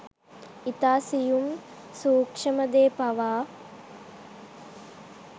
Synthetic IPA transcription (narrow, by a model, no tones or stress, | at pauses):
it̪aːsijum | suːkʂəməd̪eːpaʋaː